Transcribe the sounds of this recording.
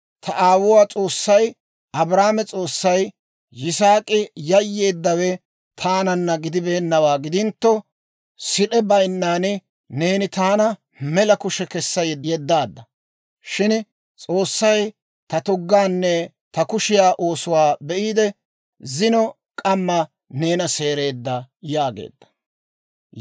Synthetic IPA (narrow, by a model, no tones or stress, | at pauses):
t̪ʰɐʔaːwʊwaːt͡sʼo̞ːsːɐj | ʔɐbɾaːmɛt͡sʼo̞ːsːɐjː | ɪsaːkʼɪjɐjːe̞ːd̪ːɐwɛ | t̪ʰaːnɐnːɐɡɪd̪ɪbe̞ːnːɐwaːɡɪd̪ɪnt̪ːɔ | sɪɗɛbɐjnːaːnɪ | neːnɪt̪aːnɐ | mɛlɐkʊʃɛkɛsːɐjjɛd̪ːaːd̪ːɐ | ʃɪn | t͡sʼo̞ːsːɐj | t̪ɐt̪ʊɡːaːnːɛ | t̪ɐkʊʃɪjaːʔo̞ːsʊwaːbɛʔiːd̪ɛ | zɪnɔ | kʼɐmːɐ | ne̞ːnɐse̞ːɾe̞ːd̪ːɐjaːɡḛːd̪ːɐ̥